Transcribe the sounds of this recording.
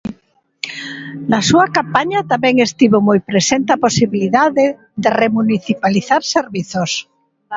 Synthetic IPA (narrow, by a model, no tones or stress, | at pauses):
nɐsuɐkampaɲɐt̪amɛŋest̪iβomojpɾesent̪aposiβiliðaðe | ðeremuniθipaliθaɾseɾβiθos